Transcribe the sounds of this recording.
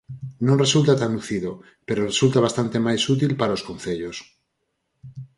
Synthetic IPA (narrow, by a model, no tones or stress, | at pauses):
nõŋresult̪at̪anuθiðo | peɾoresult̪aβast̪ant̪emajsut̪̬ilpaɾaoskõnθeʎos